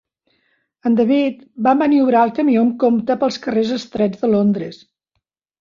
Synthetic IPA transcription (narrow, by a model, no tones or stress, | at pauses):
ənd̪əβit̪bambəniuβɾaəlˠkəmiomkomt̪əpəlˠskərezəst̪ɾɛd͡zðəlond̪ɾəs